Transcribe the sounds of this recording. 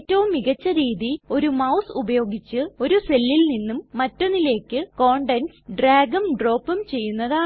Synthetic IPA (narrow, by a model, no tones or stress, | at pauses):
tːɐʋumːiɣɐt͡ɕːɐɾiːðio̞ɾumɐwsubɐjo̞ːɡit͡ɕːɨo̞ɾuse̞lːilninːumːɐtːo̞nːile̞ːkːɨko̞ːɳɖensɖraːɡɐmɖro̞ːpːɐmt͡ɕe̞jːunːɐðaː